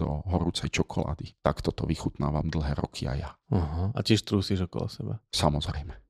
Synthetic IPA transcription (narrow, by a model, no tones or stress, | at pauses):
d̪ɔɦɔɾut͡sɛjt͡ʃɔkʰɔla̰ːd̪it̪akt̪ɔt̪ɔʋixut̪naːʋamd̪l̩ɦɛːɾɔkʰia̰jaaɦaacɪɛʃt̪ɾuːsiʒɔkɔ̰lɔ̰sɛbasamɔzɾɛjmɛ